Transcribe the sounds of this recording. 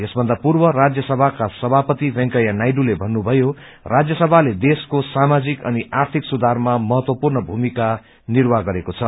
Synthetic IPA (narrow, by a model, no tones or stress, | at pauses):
jesbʱʌnd̪apurbʌrad͡zjʌsʌbʱakasʌbʱapʌt̪ibʌ̃ŋkʌjanajɖulebʱʌnːubʱʌjo | rʔad͡zjʌsʌbʱaled̪eskosamad͡zikʌ̰niʔart̪ʰiksud̪ʱarmamʌɦʌt̪wʌpurnʌbʱumika | nirwaɡʌɾekot͡sʰʌ